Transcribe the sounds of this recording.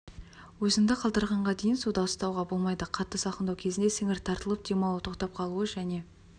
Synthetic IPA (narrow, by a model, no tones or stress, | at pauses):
wɵzɪŋd̪əqʰɑlˠd̪əɾʁɑɴʁɑd̪e̞jɪnsud̪ɑwəst̪ɑwʁɑbo̞lˠmɑjd̪əqʰɑt̪ːəsɑqənd̪ɑwkʲʰe̞zɪnd̪e̞sɪŋɪɾt̪ʰɑɾt̪əlˠəp̚d̪̥emɑw̪ˠət̪ʰo̞qt̪ɑp̚qʰɑlˠuəʒæne̞